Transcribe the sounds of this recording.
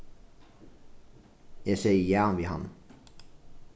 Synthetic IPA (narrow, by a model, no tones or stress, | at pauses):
jæseɪəjæːnʋiːhɑ̰n